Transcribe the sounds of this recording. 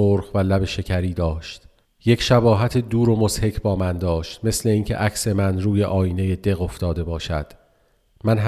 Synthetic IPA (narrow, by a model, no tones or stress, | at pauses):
oɾχvælæbe̞ʃe̞cʰæɾiːd̪ɒːʃt̪ | je̞cʰʃæbɒːɦæt̪ʰed̪uːɾo̞moshe̞cʰbɒːmænd̪ɒːʃt̪me̞sleiːncʰe̞̰ʔækse̞mænɾuːje̞ʔɒːjiːne̞jed̪e̞ɣo̞ft̪ɒːd̪e̞bɒːʃæd̪̥ | mænɦ